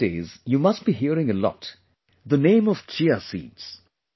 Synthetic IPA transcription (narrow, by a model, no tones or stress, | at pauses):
ḛːzjumʌst̚b̥iɦiəɾɪ̃ŋəlɔ̰t | d̪ənẽːmɔv̥t͡ʃiasḭːdz̥